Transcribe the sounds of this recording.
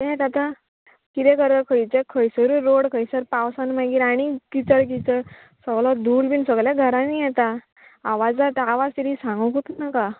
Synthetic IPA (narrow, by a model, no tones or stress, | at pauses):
ɛ̃t̪at̪a | kit̪ɛkəɾəkʰəjt͡sɛkʰəjsəɾuɾoɽkʰəjsəɾpawsanmaɡiɾaɽ̃ikit͡səɽkit͡səɾ | səɡlɔd̪ulbinsəɡljaɡʱəɾãnijɛt̪aː | ʋad͡zlaʈaʋad͡zt̪iɾisãŋɡəkut̪unaka